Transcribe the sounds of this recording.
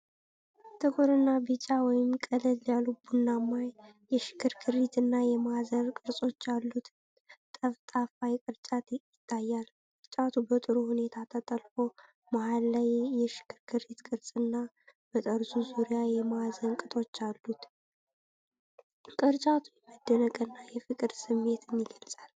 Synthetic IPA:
t̪ʰəɡoɾɨnːabɨt͡ʃʼawɔjɪmkʼəlɨlːjalubunːamːajjɛʃɪ̥kʰːɨɾkʰɨɾit̪ʰɨnːajɛmazəɾkʼɨɾsʼo̞t͡ʃːalːut̪ | t̪ʼəft̪ʼafajkʼɨɾt͡ʃʼat̪jɪt̪ʰːajːal | kʼɨɾt͡ʃʼat̪ʰubət̪ʼɨɾuhune̞t̪ʰat̪ʰət̪ʼəlfo̞ | mahalːajːɛʃɪ̥kːɨɾkʰɨɾit̪kʼɨɾsʼɨnːa | b̥ət̪ʼəɾsuzuɾijajɛmazənkʼɨt̪ʼo̞t͡ʃːalːut̪ | kʼɨɾt͡ʃʼat̪ʰujɛməd̪ːənəkʼənːajɛfɨkʼɨd̪sɨmːe̞t̪ʰɨnːiɡəlsʼal

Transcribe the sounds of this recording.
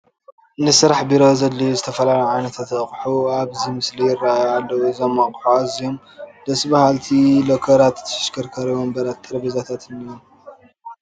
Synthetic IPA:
nɨsɨɾaħbiɾo̞zɐlːijzɨt̪ʰɐfɐlalajʕajnɐt̪ʰat̪aχʼħuaβzimɨslijɪrːaajalːɐwuzɐmːakʼħuazijom | d̪̥ɐsbahalt̪ʰilokʰɐɾat̪ʰːʃkʰɐɾkʰɐɾiwombɐɾat̪ʼːɨɾbizat̪ʰat̪ɨnijom

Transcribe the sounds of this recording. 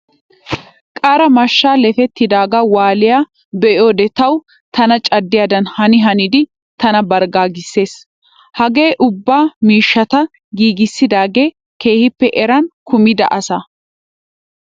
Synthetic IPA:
kʼaːɾɐmɐʃːaːlɛfɛt̪ːɪd̪aːɡɐwaːlɪjaː | bɛʔjoːd̪ɛt̪ɐw | t̪ɐnɐt͡ʃʼɐd̪ːɪjad̪ɐnhɐnɪɦɐnɪd̪ɪ | t̪ɐnɐbɐɾɡaːɡɪsːe̞ːs | hɐɡe̞ːʔʊbːaːmiːʃːɐt̪ɐ | ɡiːɡɪsːɪd̪aːɡe̞ː | ke̞ːhɪpːɛʔɛɾɐnkʊmɪd̪ɐ̰ʔɐsɐ

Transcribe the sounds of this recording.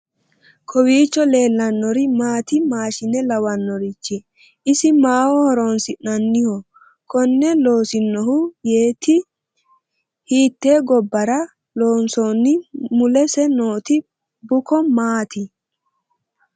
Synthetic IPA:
kʰɔwiːt͡ʃːɔle̞ːlːɐnːɔɾɪmaːt̪ɪmaːʃɪnɛlɐwɐnːɔɾɪt͡ʃːɪ | ʔɪsɪmaːwɔhɔɾoːnsɪnɐnːɪhɔ | kɔnːɛlo̞ːsɪnːɔhʊjeːt̪ɪ | hiːt̪ːeːɡɔbːɐɾɐ | lo̞ːnsoːnːɪmʊlɛsɛno̞ːt̪ɪ | bʊkɔmaːt̪ɪ

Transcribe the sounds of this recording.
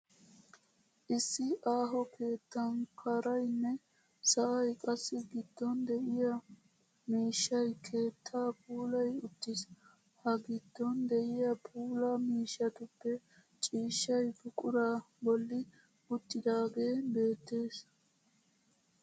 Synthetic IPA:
ʔɪsːɪʔaːɦɔkʰe̞ːt̪ːɐnkʰɐɾɐjnːɛ | sɐʔɐjkʼɐsːɪɡɪd̪̥ːɔnd̪ɛʔɪjɐ | miːʃːɐjkʰe̞ːt̪ʰːaːpʰʼuːlɐjʊt̪ːɪs | hɐɡɪd̪̥ːɔnd̪ɛʔɪjɐpʼuːlɐmiːʃːɐt̪ʊpːɛ | t͡ʃʼiːʃːɐjfʊkʼʊɾaː | bɔlːɪ | ʊt̪ːɪd̪aːɡe̞ːbe̞ːt̪ːe̞ːs

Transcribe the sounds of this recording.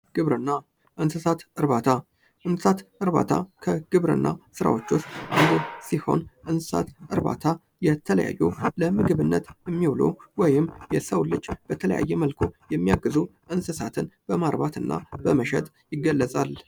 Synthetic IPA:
ɡ̥ɨβɾɨnːa | ʔɨnsɨsat̪ɨɾβat̪ʰa | ʔɨnsɨsat̪ʔɨɾβa̰t̪ʰa̰kʰəɡ̥ɨβɾɨ̰nːʔasɨɾa̰wot͡ʃːost̪ʔɨnd̪osiho̞̰nʔɨnsɨ̥sa̰t̪ʔɨɾba̰t̪ʰa | jɛt̪ʰələja̰jːuləmɨɡɨβɨnːət̪jɛmːiwlo̰wɔjɪmjɛsəwlːɨd͡ʒːb̥ət̪ʰələja̰jːɛməlkʰo̞jɛmːijaɡːɨzuʔɨnsɨsat̪ʰɨnb̥əmaɾbat̪ɨnːa̰bəməʃɛt̪ʼ | jɪɡːəlːəsʼal

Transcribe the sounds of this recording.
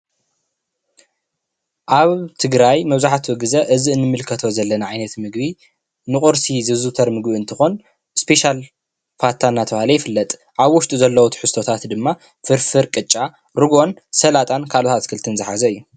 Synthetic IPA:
ʔaβt̪ʰɨɡɾajmɐβzaħat̪ʰwɨɡɨzɐʔɨziɨnːɨmːɨlkʰɐt̪ʰo̞zɐlːɐnɐʕajnɐt̪mɨɡbi | nɨχʼoɾsizɨzut̪ʰɐɾmɨɡbiɨnt̪ʰɨxo̞n | spʰe̞ʃal | faɾt̪ʰːanːat̪ʰɐβahlɐjɪfɨlːɐt̪ʼ | ʔaβwʊʃt̪ʼuzɐlːɐwut̪ʰħɨst̪ʰo̞t̪ʰat̪d̪ɨmːa | fɨɾfɨɾkʼɨt͡ʃʼːa | ɾɨɡo̞nsɐlat̪ʼankʰalot̪ʰat̪kʰɨlt̪ʰɨnzɨħazɐɨjːu

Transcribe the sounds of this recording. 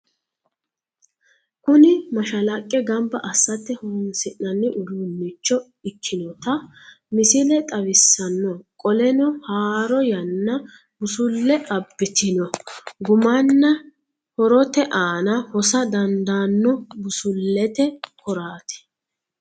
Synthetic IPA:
kʊnɪmɐʃɐlɐkʼːɛɡɐmbɐʔɐsːɐt̪ːɛhunsɪʔːɐnːɪʔʊd̪unːɪt͡ʃːɔ | ɪkʰːɪnɔt̪ɐ | mɪsɪlɛt̪ʼɐwɪsːɐnːɔkʼɔlɛnɔhaːɾɔjɐnːɐ | bʊsʊlːɛʔɐbːɪt̪ɪnɔɡʊmɐnːɐ | hɔɾɔt̪ɛʔaːnɐhɔsɐd̪ɐnd̪aːnːɔbʊsʊlːɛt̪ɛkɔɾaːt̪ɛ̥

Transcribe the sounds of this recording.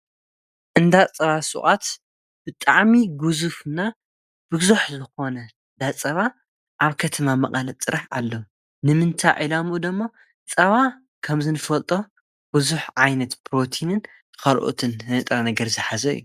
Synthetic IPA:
ʔɨnd̪at͡sʼɐβasʼṵχʼat̪ | b̥ɨt̪ʼaʕmiɡuzufna | bɨzuħzɨxo̞nɐ | nd̪at͡sʼɐβa | ʔaβkʰɐt̪ʰɐmamɐkʼɐlɐt͡s̪ʼɨɾaħʔalːɐ | nɨmɨnt̪ʰajʕilamud̪ɐmːo | t͡sʼɐβa | kʰɐmzɨnɨfɐlt̪ʼo | b̥ɨzuħʕajnɐt̪bʰɾot̪ʰinɨn | kɐlʔo̰t̪ʰɨnnɐt̪ʼɾanɐɡɐɾzɨħazɐj̰ːu

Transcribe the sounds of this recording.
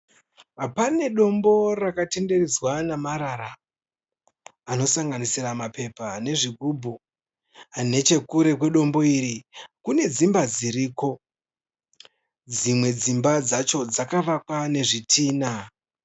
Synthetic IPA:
apane̞ɗo̞mbo̞rakate̞nde̞rid͡zwanamaɾaɾa | no̞saŋɡanisiramape̞pane̞ʐiɡʱubʱu | ane̞t͡ʃe̞kuɾe̞kwe̞ɗo̞mbo̞iɾikune̞d͡zimbad͡ziɾiko̞ | d͡zimwe̞d͡zimbad͡zat͡ʃo̞d͡zakaʋakwane̞ʐitʰiːna

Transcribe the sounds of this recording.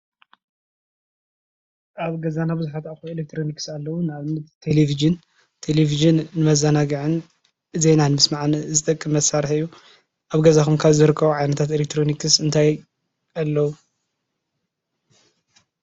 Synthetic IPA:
ʔaβɡɐzanabɨzuħat̪axuelek̚t̪ʰɾo̞niksalːɐwunɨaβnɨt̪t̪ʰːe̞lefid͡ʒɨn | t̪ʰe̞lefiʒɨnːɨmɐzanaɡɨʕɨn | ɨzenanɨmɨsmaʕnɨzɨt̪ʼɐkʼːɨmːɐsaɾħɨjːu | ʔaβɡɐzakʰumkʰaβzɨɾɨkʰːɐβuʕajnɐt̪ʰat̪elek̚t̪ʰɾo̞nikʰɨsɨnt̪ʰaj | alːɐwu

